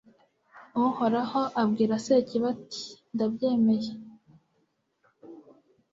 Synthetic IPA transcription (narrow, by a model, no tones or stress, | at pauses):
uho̞ɾaho̞ʔabɡiːɾaseciβati̥ndabɟeːmeje